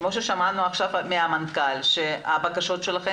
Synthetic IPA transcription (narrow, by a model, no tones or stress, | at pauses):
mo̞ʃeʃamanuaχʃavmeamankalʃeabakaʃo̞tʃe̞laχe